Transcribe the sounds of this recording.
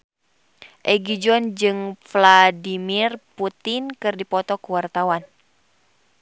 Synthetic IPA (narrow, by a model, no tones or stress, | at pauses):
ʔɛɡid͡ʒɔnd͡ʒɨŋfladimirput̪ɪnkɨrdipɔt̪ɔkuwart̪awan